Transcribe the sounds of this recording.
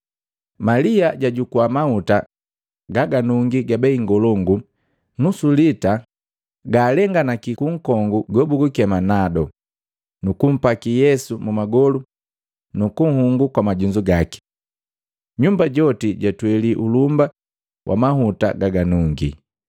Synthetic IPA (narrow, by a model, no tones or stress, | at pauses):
maliaɟaɟukuamahuta | ɡaɡanuŋɡiɡabɛiŋɡɔlɔŋɡu | nusulita | ɡaːlɛŋɡanakikuŋ̩kɔŋɡuɡɔbuɡukɛmanadɔ | nukum̩pakijɛsumumaɡɔlu | nukuŋ̩huŋɡukwamaɟuɲd͡ʒuɡaki̥ | ɲumbaɟɔtiɟatwɛliʔulumba | wʔa̰maɦuta̰ɡaɡanuŋɡḭ